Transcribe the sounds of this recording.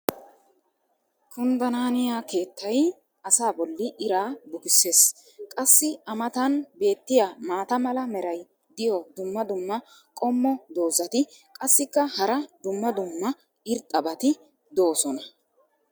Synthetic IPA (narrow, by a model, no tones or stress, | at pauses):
kʰʊnd̪ɐnaːnɪjaːke̞ːt̪ʰːɐj | ɐsaːbɔlːɪʔɪɾaːbʊkɪsːe̞ːs | kʼɐsːɪɐmɐt̪ɐnbe̞ːt̪ːɪjamaːt̪ɐmɐlɐmɛɾɐj | d̪ɪjɔd̪ʊmːɐd̪ʊmːɐ | kʼɔmːɔd̪o̞ːzɐt̪ɪkʼɐsːɪkːɐhɐɾɐd̪ʊmːɐd̪ʊmːɐ | ɪɾt̪ʼːɐbɐt̪ɪ | d̪o̞ːsɔnɐ